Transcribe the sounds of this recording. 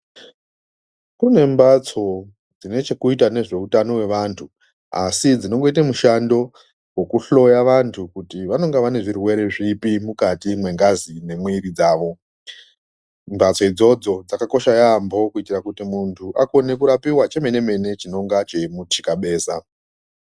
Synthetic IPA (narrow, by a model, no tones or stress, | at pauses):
kune̞mbat͡so̞ | d͡zine̞t͡ʃe̞kuitane̞ʐe̞utano̞we̞ʋantʰu | asid͡zino̞ŋɡo̞it̬amuʃando̞ | we̞kuɬo̞jaʋantʰukutiʋano̞ŋɡaʋane̞ʐirwe̞ɾe̞ʐipimukatimwe̞ŋɡazine̞mwiɾid͡zaːʋo̞ | mbat͡so̞id͡zo̞d͡zo̞d͡zakako̞ʃajaːmbo̞kuitirakutimuntʰuʔako̞ne̞kuɾapiwat͡ʃe̞me̞ne̞me̞ne̞t͡ʃino̞ŋɡat͡ʃe̞mutʰikaɓeːsa